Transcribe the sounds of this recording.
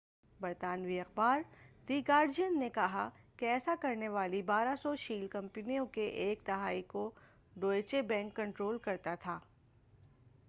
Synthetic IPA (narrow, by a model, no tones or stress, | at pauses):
bɐɾt̪aːnʋiɐxbaːɾd̪iːɡaːɾd͡ʒijənːekɐɦakeɛːsakɐɾneʋaːlibaːɾasɔʃiːlkɐ̃mpɪnijõkeʔeːk̚d̪ɐɦaːiko | ɖoːet͡ʃebɛ̃ːŋkːɐ̃ɳʈɾoːlkɐɾt̪at̪ʰaː